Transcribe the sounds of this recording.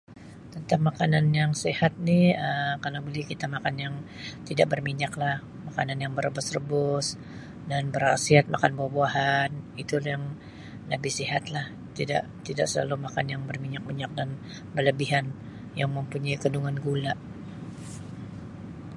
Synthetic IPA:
t̪ənt̪aŋmakananjaŋsehat̪̚niəkalawbəlihkit̪amakanjaŋt̪idaʔbərmiɲaklah | makananjaŋbəɾəbʊsrəbʊs | danbəɾasiat̪̚makanbuahbuaɦanit̪uljaŋ | ləbɪhsiɦat̪lah | t̪ida̰ʔt̪idaʔsəla̰lumakanjaŋbərmiɲak̚miɲak̚dan | bərləbiɦan | jaŋməmpuɲaiɡəduŋanɡulaʔ

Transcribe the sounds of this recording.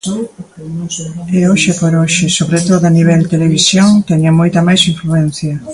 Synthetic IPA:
eoʃɪpoɾoʃɪsoβɾet̪oðoaniβ̞ɛlt̪eleβisjoŋt̪ɛɲamojt̪ɐmajsiɱfluɛn̟θjɐ

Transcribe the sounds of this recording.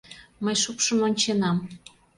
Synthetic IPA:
məjʃukʃəmonʲt͡ɕenɑm

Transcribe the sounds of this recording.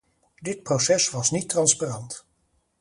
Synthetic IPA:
dɪt̚prowsɛsʋɑsnitrɑnsparɑnt

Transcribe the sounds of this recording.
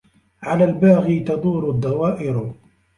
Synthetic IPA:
ʕalaːlbaːɣit̪ɑd̪ˤuːɾʊd̪ˤːɑwaːʔɪɾ

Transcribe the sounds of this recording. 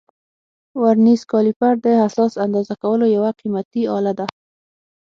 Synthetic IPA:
waɾniskɑlipaɾd̪əhasɑsand̪ɑzakawəlojawaqimat̪iɑ̰lad̪a

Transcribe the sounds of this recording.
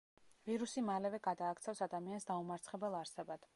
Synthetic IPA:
viɾusimalɛvɛɡad̪aːkʰt̪sʰɛfsad̪amiansd̪aumaɾt̪sʰχɛbɛlˠaɾsɛbad̪̥

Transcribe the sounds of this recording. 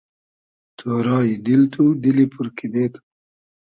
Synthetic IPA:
t̪ʰoɾɑːjid̪ilt̪ʰud̪ilipʰuɾkid̪eːt̪u̥

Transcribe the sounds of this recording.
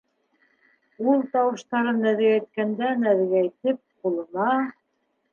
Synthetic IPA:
ulˠt̪ɑwɤ̆ʃt̪ɑɾɤnːæðɡæjt̪̚kænd̪ænæðɡæjt̪ɘp̚qulˠɤ̆nɑ

